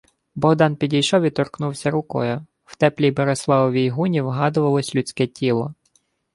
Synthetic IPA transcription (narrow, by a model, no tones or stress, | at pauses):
bɔɦd̪ɑnpʲidʲijʃɔʋʲit̪ɔrknuwsʲɐɾʊkɔ̰jʊ | w̥t̪ɛplʲibɔɾeslˠɑʋɔʋʲijɦunʲiwɦɑd̪ʊʋɐlˠɔsʲlʲʊt͡sʲkɛtʲilˠɔ